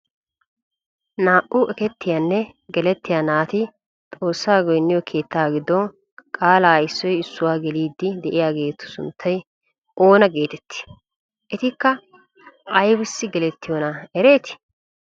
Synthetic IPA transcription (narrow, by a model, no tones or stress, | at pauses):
naːʔʊʔɛkɛt̪ːɪjanːɛ | ɡɛlɛt̪ːɪjaːnaːt̪ɪ | t̪ʼo̞ːsːaːɡɔjnːɪjɔkʰe̞ːt̪ːaːɡɪd̪ɔn | kʼaːlaːjsːɔjɪsːʊwaːɡɛliːd̪ːɪd̪ɛʔɪjaːɡe̞ːt̪ːʊ̥sʊ̰nt̪ʰːɐj | ʔo̞ːnɐɡe̞ːt̪ɛt̪ːɪ̥ | ʔɛt̪ɪkːɐ | ʔɐjbʊsːɪɡɛlɛt̪ːɪjɔnɐɛɾe̞ːt̪ɪ̥